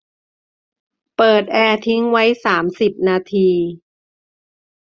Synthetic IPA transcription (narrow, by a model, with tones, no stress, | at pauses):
pɤː˨˩t̪̚ʔɛː˧t̪ʰi˦˥ŋwa˦˥jsaː˩˦msi˨˩p̚naː˧t̪ʰiː˧